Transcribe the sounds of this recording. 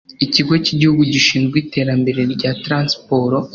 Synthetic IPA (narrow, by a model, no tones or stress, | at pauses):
iciɡo̞ciɟihuɡuɟiʃiːnzɡwiːte̞ːɾambe̞ɾe̞ɾɟatɾaːnspo̞ɾo